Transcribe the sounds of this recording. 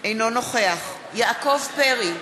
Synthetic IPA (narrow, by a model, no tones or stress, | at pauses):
ejnonoχeaχ | jaʔkovpeʁi